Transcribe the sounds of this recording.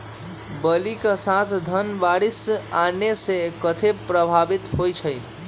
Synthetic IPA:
bəlikasat̪ʰd̪ʱənbaɽisanesekət̪ʰepɾəbʱabit̪ɦojt͡ʃʰəj

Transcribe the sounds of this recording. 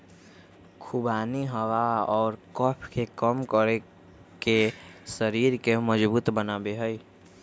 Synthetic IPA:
kʰubaːniɦəwaɔːɾkɔpʰkekəmkəɾe | kesəɾiːɾkeməd͡ʒbuːt̪bənaːbeɦəi

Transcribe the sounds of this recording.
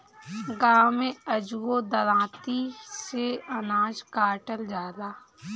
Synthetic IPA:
ɡaːmẽəd͡ʒuwod̪əɾãːt̪iseənaːd͡ʒkaːʈəld͡ʒaːd̪aː

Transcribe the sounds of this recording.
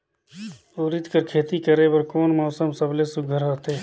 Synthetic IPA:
oːɾɪt̪kəɾkʰeːt̪ikəɾebəɾkoːnmɔːsəmsəblesʊɡʱəɾɦot̪eː

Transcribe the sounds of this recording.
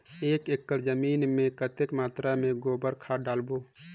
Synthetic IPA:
eːkeːk̚t̪əɾd͡ʒəmiːnmẽkət̪ekmaːt̪ɾamẽɡoːbəɾkʰaɖaːlboː

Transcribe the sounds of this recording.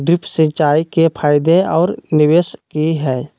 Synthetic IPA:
ɖɾɪpsẽt͡ʃaːikepʰaːɪd̪eɔːɾnɪʋeːskiɦɛː

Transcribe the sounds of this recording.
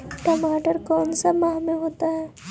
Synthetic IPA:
ʈɐmaːʈəɾkɔːnsamaɦmeɦoːt̪aɦɛː

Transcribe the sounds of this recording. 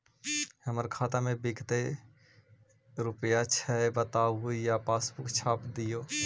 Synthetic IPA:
həməɾkʰaːt̪amẽbɪkt̪e | ɾʊpjat͡ʃʰɛebət̪auijapaːsbʊkt͡ʃʰaːpd̪ijoː

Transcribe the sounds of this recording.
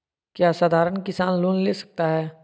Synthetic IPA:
kjaːsaːd̪ʱaːɾənkɪsaːnloːnleːsɐ̥k̚t̪aɦɛː

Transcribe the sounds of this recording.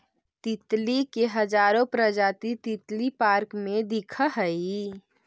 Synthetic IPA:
t̪it̪likeɦəd͡ʒaːɾõpɾəd͡ʒaːt̪it̪it̪lipaːɾkmẽd̪ikʰəɦəi

